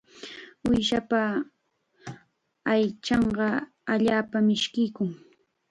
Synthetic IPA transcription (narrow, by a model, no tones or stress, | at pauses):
ʊjʃapa | ajt͡ʃɑɴɢɑ | aʎaːpamɪʃkɪjkʊŋ